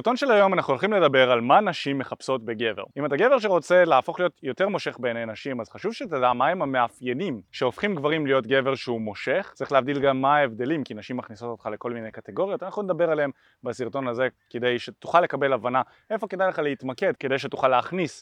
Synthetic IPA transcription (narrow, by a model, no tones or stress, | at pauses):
siʁt̪o̞nʃelajo̞manaχnuolχimle̞dabe̞ʁalmanaʃimːe̞χapso̞tbeɡe̞veʁimat̪aɡe̞ve̞ʁʃ̬eʁo̞t͡se̞leːfo̞χlijo̞t̪jo̞t̪e̞ʁmo̞ʃe̞χbejnenaʃimazχaʃuvʃet̪adamaimhame̞afjenimʃeo̞fχimɡvaʁimlijo̞tɡe̞ve̞ʁʃeumo̞ʃe̞χt͡seχleavd̪ilɡamːaːevd̪e̞limkinaʃimːaχniso̞t̪ot̪χale̞ko̞lmine̞jkateɡo̞ʁjo̞t̪anaχnuned̪abe̞ʁaleem | basiʁt̪o̞naze̞ke̞d̪e̞jʃetu̥χalːe̞kabe̞lavana | efo̞ke̞d̪ajleχaleit̪make̞dked̪ejʃ̬etuχalːeaχnis